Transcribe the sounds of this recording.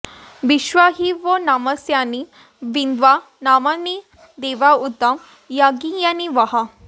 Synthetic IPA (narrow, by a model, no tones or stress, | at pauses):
ʋiʃʋaɦiʋonaməsjani | ʋind̪ʋa | namani | d̪eʋaut̪ːɐm | jaɡijaniʋɐɦa